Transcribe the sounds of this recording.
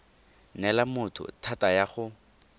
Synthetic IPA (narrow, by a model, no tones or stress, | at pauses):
nɛlamʊtʰʊ̰tʰatajaχʊ